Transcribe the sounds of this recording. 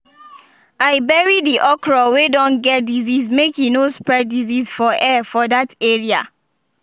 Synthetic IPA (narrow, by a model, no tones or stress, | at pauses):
aɪbɛɹidiʔɔkɹɔwedɔ̃nɡɛt̚dizizmekjunospɹɛd̚dizisfɔʔɛfɔdateɹia̰